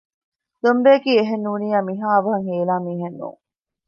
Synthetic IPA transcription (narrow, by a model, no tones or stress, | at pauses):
d̪ombeːkiːeɦenːuːnijaːmiɦaːɐʋɐɦɐŋheːlaːmiːɦenːṵːŋ